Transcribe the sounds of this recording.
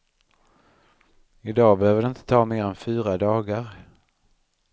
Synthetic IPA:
ɪd̪ɑːbɛhøːvəɖ̪ɛɪnt̪ʰə̥t̪ʰɑːmeːɾɛnfyːɾad̪ɑːɡaɾ

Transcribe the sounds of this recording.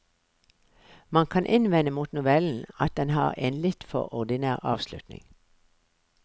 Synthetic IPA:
mɑŋkʰɑnʔɪnʋɛnəmuːt̪nʊʋɛln̩ɑt̪̚d̪ɛnhɑ̰ːʁeːnlɪt̪fɔ̰ʁɔd̪ɪnæːʁɑ̰ːʋslʉ̰t̪nɪ̰ŋ

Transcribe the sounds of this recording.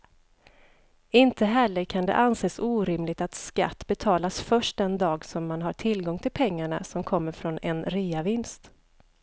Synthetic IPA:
ɪnt̪əɦɛlːəɾkʰand̪ɛ̰ʔanseːsuːɾɪmlɪɡ̚t̪at̪ska̰t̪ːbɛt̪ʰɑːlasfœʂʈ̚d̪ɛnd̪ɑːɡsɔmːanɦaʈʰɪlɡɔŋt̪ʰɪlpʰɛŋːaɳa̰sɔmkʰɔmːəɾfɾɔnɛnɾiːavɪnst̪

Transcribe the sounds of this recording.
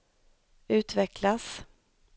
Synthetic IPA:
ʉ̟ːt̪vɛklas

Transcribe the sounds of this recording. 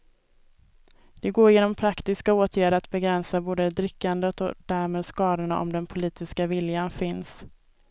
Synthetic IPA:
d̪̥ɛɡoːɾjeːnɔmpʰɾakt̪ɪskaoːt̪ʰjæːɖəat̪̚bɛɡɾɛnsaboːd̪əd̪ɾɪkːand̪ət̪ɔ̰d̪̥æɾmeːd̪skɑːd̪ʊɳaʔɔ̰md̪ɛnpʰʊliːt̪ɪskavɪljanfɪns

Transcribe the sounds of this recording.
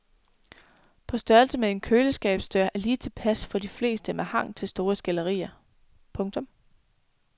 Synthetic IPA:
pʰɒ̽sd̥ɶɐlsəmee̝nkʰøːləsɡ̥ɛ̰ːb̥sd̥øɐʔæliːt͡sʰe̝pʰæsfɒ̽d̥ifle̝̰ːsd̥əmehɑ̈ŋ̰t͡sʰe̝lsd̥o̝ːɐsɡ̥ælɐʁḭːɐ | pʰɔ̽ŋt͡sʰɒ̽m

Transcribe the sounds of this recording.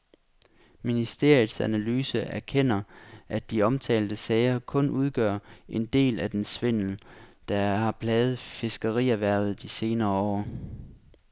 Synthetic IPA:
minisd̥e̝ɐjðˠsænælyːsəʔæɐkʰen̰ɐʔæd̥iɒ̽mt͡sʰɛ̰ːld̥əsɛɪɐkʰɔ̽nʔuð̞ˠɡ̥ɶɐ̰ʔe̝nd̥e̝̰ːlæd̥ensʋen̰l̩d̥ɑhɑ̈b̥ʰlɛːð̞̩ˠfe̝sɡ̥əʁḭæʋæɐ̰ð̞̩ˠd̥ise̝ːnɐːɒ̰ː

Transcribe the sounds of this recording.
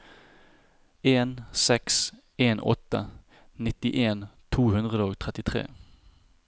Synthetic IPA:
eːnsɛks | eːnɔ̰t̪ə̰ | nɪt̪ɪʔeːnt̪ʰuːhʉnd̪ʁəd̪əoːɡt̪ʰʁɛt̪ɪt̪ʰʁḛː

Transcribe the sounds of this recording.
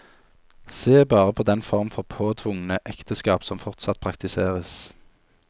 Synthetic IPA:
seːbɑːʁəpʰoːd̪ɛnfɔʁmfɔʁpʰoːt̪ʰʋʊŋnəʔɛkt̪əskɑːpsɔmfɔʁt̪sɑt̪̚pʰʁɑkt̪ɪseːʁəs

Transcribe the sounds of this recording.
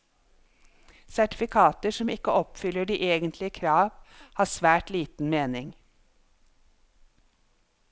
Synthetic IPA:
sæʈɪ̥fɪkʰɑːt̪əʃɔmɪkəɔpfʏləɖiːʔeːɡənt̪lɪəkʰɾɑːʋhɑːsʋæːʈliːt̪n̩meːnɪŋ

